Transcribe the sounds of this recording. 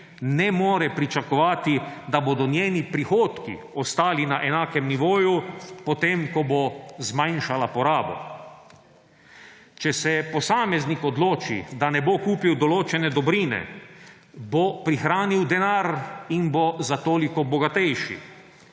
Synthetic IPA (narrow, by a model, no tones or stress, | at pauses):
nɛmoːɾɛpɾit͡ʃakɔʋaːt̪id̪abod̪ɔnjeːnipɾixoːt̪kḭ | ɔst̪aːlinaʔɛnaːkɛmniʋoːjupɔt̪emkɔbozmajnʃalapɔɾaːbɔ̰ | t͡ʃɛsɛpɔsaːmɛznikɔd̪loːt͡ʃḭd̪anɛbokuːpiwd̪ɔloːt͡ʃɛnɛd̪ɔbɾiːnɛ̰ | bopɾixɾaːniwd̪ɛnaːɾinbozat̪oːlikɔbɔɡat̪ɛjʃḭ